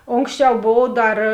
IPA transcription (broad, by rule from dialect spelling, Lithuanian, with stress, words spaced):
ˈoːŋksʲˌt͡ʃʲɛʊ ˈboːw ˈdɐr